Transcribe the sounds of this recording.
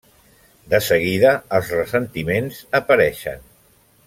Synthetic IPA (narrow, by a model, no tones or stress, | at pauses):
d̪əsəɣiðəːlˠzrəsənt̪imenzəpəɾɛʃə̰n